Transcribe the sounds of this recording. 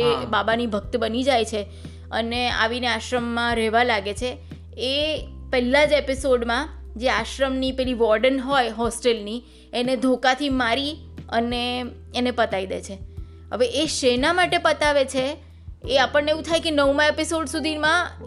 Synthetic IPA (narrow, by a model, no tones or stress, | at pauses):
ebabanibʱək̚t̪bənid͡ʒajt͡ʃʰe | ə̰nea̰ʋineaʃɾəmːãɾɛɦʋalaɡet͡ʃʰeː | pɛlːad͡ʒepisoɖmã | d͡ʒeaʃɾəmnipɛɦliʋɔɾɖənɦɔjɦɔsʈelni | ened̪ʱokat̪ʰimaɾi | əneː | nepət̪aid̪ḛt͡ʃʰe | ɦə̰ʋeʔeʃenamaʈepət̪aʋet͡ʃʰeː | apəɳːeʋũt̪ʰajkenəʋmãepisoɖsud̪ʱimã